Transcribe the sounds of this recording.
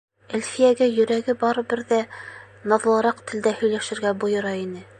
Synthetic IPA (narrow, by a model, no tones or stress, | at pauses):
ælfijæɡæjɵ̆ɾæɡɘbɑɾɤ̆bɘɾðæ | nɑðlˠɑɾɑqt̪ʰɘ̆ld̪æhɵ̆jlæʃɘ̆ɾɡæbujɤ̆ɾɑinɘ